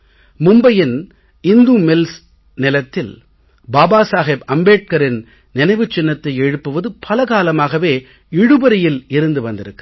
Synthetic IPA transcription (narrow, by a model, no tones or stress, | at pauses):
mʊmbɐjɪn | ɪnd̪uːmɪls | nɪlɐt̪ːɪl | baːbaːsaːɣeːbɐmbeːʈ̚kɐɾɪn | nɪnɐɪʋɯt͡ʃːɪnːɐt̪ːɐɪɛɻɯpːɯʋɐðɯpʰɐlɐɣaːlɐmaːɣɐʋeː | ɪɽɯbɐɾɐjɪlɪɾɯnd̪ɯʋɐnd̪ɪɾɯkː